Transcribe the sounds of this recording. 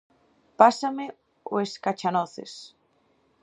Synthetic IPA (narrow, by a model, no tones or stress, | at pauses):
pasame | oeskat͡ʃanoθḛs